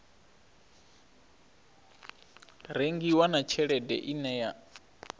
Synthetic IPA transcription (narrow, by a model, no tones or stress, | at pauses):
ɾeŋɡiwanat͡ʃʰɛɺɛdɛ̰ʔinɛja